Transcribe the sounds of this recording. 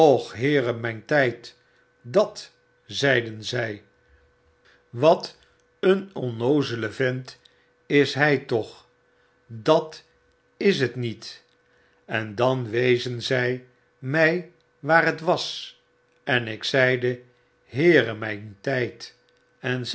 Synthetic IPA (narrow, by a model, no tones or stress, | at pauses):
ɔχɦɪːrəmɛjntɛjt | dɑt | zɛjdənzɛj | ʋɑt | ənɔnowzələvɪnt | ɪsɦɛjtɔχ | dɑt | ɪs̬ɦətnit | ɛndɑnʋejzənzɛj | mɛj | ʋaːrɦətʋɑs | ɛnɪksɛjdə | ɦɪːrəmɛjntɛjt | ɛn